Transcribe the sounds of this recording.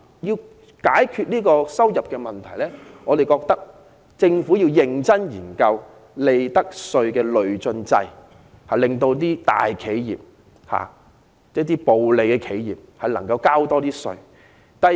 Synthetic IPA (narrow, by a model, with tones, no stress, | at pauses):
jiː˧w | kaː˨˥jkʰyː˧t̚niː˥kɔː˧sɐ˥wjɐ˨p̚kɛː˧mɐ˨˩nt̪ʰɐ˨˩jlɛː˥ŋɔː˨˧d̪e˨jkɔː˧k̚t̪ɐ˥k̚ | t͡sɪ˧ŋfuː˨˥jiː˧wjɪ˨ŋt͡sɐ˥njiː˨˩nkɐ˧w | le˨jt̪ɐ˥k̚sɵ˧ɥkɛː˧lɵ˨ɥt͡sɵ˧nt͡sɐ˧j | ha˨lɪ˨ŋt̪o˧wt̪iː˥t̪a̰ː˨jkʰe˨˥jjḭː˨p̚ | ha̰ː˨˥ | t̪iː˥po˨wle˨˧jkɛː˧kʰe˨˥jjiː˨p̚hɐ˨jlɐ˨˩ŋkɐ˧wkaː˥wt̪ɔː˥t̪iː˥sɵ̰˧ɥ | t̪ɐ˨